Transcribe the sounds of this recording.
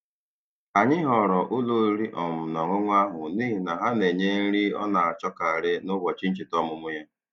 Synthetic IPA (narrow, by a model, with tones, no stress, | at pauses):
a˨ɲɪ˦ɦɔ˨ɾɔ˨ʔʊ˦lo˦ɾi˦ʔɔ˨m̩˨nɔ˨ɾʊ˦ŋʷa˦ɦʊ˨niː˦ɦi˨na˨ɦa˦ne˨ɲe˦n̩˦ɾi˦ɔ̰˦na˨a˨t͡ʃɔ˦ka˨a˨ɾɪ˦nʊ˦ɡɔ˨t͡ʃi˦n̩˦t͡ʃɪ˨tɔ˦mʊ˦mʊ˦ja˦